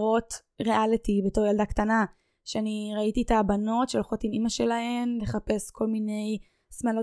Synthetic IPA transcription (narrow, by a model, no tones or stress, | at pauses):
ʁo̞t | ʁeʔalitibe̞to̞ʁjaldaktana | ʃeaniʁaititabano̞tʃelχotinimaʃe̞lahe̞mle̞χape̞skʰo̞lmine̞j | smalo